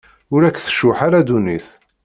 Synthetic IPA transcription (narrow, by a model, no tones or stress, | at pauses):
ʊɾækːθə̥ʃʊħaɾad̪uniθ